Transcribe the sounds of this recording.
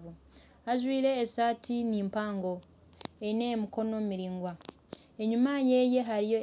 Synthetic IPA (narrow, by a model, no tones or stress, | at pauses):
u | aʒwiːɾe̞ːsaːtiniːmpaːŋɡo̞ | einemiko̞no̞miɾiːŋɡwa | e̞ɲumaje̞ːje̞ɦaɾijo̞